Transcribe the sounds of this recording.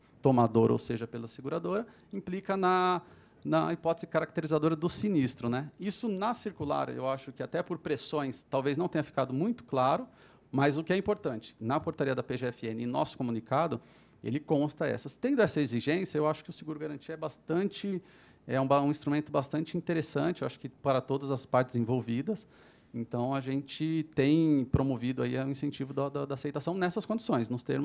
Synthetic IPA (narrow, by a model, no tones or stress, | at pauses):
t̪omad̪oɾo̰wseʒɐpelɐseɡuɾad̪oɾɐ | ĩplikɐnɐ | nɐipɔt̪ɪzɪkaɾak̚t̪eɾizad̪oɾɐd̪ʊsinist̪ɾʊnɛisʊnɐsiɾkula̰ɾḛwaʃʊkɪat̪ɛpoɾpɾesõj̃st̪awveznɐ̃w̃t̪ẽɲ̃ɐfi̥kad̪ʊmũj̃t̪ʊ̥klaɾʊ | mɐjzʊkɪɛĩpoɾt̪ɐ̃nt͡ʃɪ̥nɐpoɾt̪aɾiɐd̪ɐpeʒeɛfɪẽnɪɪ̃nɔ̰sʊ̥komũnikad̪ʊ | ḛlɪkõst̪ɐɛ̰sɐst̪ẽnd̪ʊɛsɐeziʒẽsjɐewaʃʊ̥kɪʊsɪɡuɾʊɡaɾɐ̃nt͡ʃiɐɛbast̪ɐ̃nt͡ʃɪ | ɛũbãĩst̪ɾumẽnt̪ʊbast̪ɐ̃nt͡ʃɪĩnt̪eɾesɐ̃nt͡ʃɪewaʃʊ̥kɪpaɾɐt̪od̪ɐzɐspaɾt͡ʃɪzẽvowvid̪ɐs | ẽnt̪ɐ̃w̃ɐʒẽnt͡ʃɪt̪ẽj̃pɾomovid̪ʊa̰iĩsẽnt͡ʃivʊd̪ɐd̪ɐd̪ɐaːsejt̪asɐ̃w̃nɛsɐskõd͡ʒisõj̃snʊst̪eɾmʊ